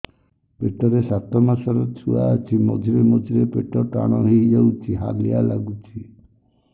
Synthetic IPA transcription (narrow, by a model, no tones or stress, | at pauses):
peʈɔɾesat̪ɔmasɔɾɔt͡ʃʰua̰at͡ʃʰimod͡ʒʱiɾemod͡ʒʱiɾepeʈɔʈa̰ɽ̃ɔɦiid͡ʒawt͡ʃʰiɦa̰lijala̰ɡut͡ʃʰi